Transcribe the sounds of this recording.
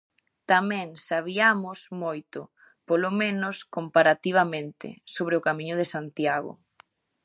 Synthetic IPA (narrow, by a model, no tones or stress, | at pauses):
t̪amɛ̃ŋsaβ̞iamʊsmojt̪ʊ | polomẽnʊskompaɾat̪iβ̞amẽnt̪ɪ̰soβɾeʊkamĩɲʊð̞esant̪jaɣʊ̰